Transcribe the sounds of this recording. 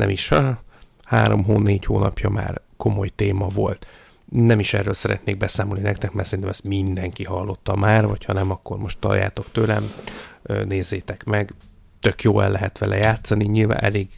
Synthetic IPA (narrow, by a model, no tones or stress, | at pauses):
nɛ̰miʃ | haːɾo̞mɦoːneːchoːnɒpjɒma̰ːrko̞mo̞jt̪eːmɒvo̞lt̪ | nɛmiʃɛ̰rːøːlsɛɾɛt̪neːɡ̚bɛsaːmolninɛkt̪ɛkmɛrtsɛɾint̪ɛmɛst̪mind̪ɛŋkiɦɒlːo̞t̪ːɒmaːrvɒchɒnɛmɒkːo̞rmo̞ʃt̪t̪ɒ̰lja̰ːt̪o̞kt̪øːlɛ̰møːneːzːeːt̪ɛkmɛɡ | t̪ø̞kjoːɛ̰lːɛɦɛt̪ʋɛlɛjaːt̪sɒniɲilva̰ːʔɛleːɡ